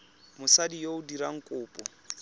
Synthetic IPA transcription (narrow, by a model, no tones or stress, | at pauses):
mʊsadijoʊdiɾaŋ̩kʼʊːpʼɔ